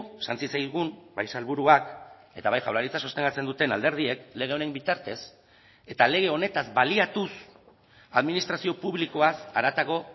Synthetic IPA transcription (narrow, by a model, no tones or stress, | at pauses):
sant͡sisajɣumbajsalβuɾuak | e̞t̪aβajʝawlaɾit͡saso̞st̪e̞ŋɡat͡se̞nd̪ut̪e̞nald̪eɾðie̞kle̞ɣ̞e̞o̞ne̞mbit̪aɾt̪e̞s | e̞t̪ale̞ɣ̞e̞o̞ne̞t̪azbaliat̪us | aðminist̪ɾasio̞puβliko̞asaɾat̪aɣo̞